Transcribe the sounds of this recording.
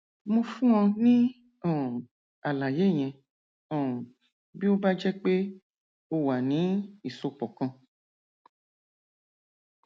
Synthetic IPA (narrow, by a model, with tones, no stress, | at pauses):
mõ˧fũ˦ɔ̃˧nĩ˦ | ɔ̃˦˨ | a˨la˨je˨˦˨ɲ̃ɛ̃˧ | ɔ̃˦˨ | bi˦o˦ba˦d͡ʒɛ˦k͡pe˦ | o˧wa˨nĩ˨˦i˨so˧k͡pɔ˨kã˧